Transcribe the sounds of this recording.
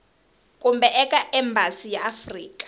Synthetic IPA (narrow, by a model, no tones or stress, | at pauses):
kʼumbɛʔɛkʼaʔɛmbʱasijaːfriːkʼḁ